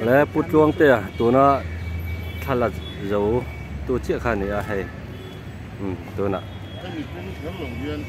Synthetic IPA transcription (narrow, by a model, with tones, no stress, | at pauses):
lɛ˧˦pu˥t͡ɬu˧əŋt̪ɛ˥˩˨t̪u˨na˧˨ʔ | t͡ɬʰa˥la˨˩ | zo˨w | t̪u˧t͡si˧˥˨ʔkʰaː˧nɛ˨a˧ʔɦɛ˧j | t̪ɔ˨na̰˧˨ʔ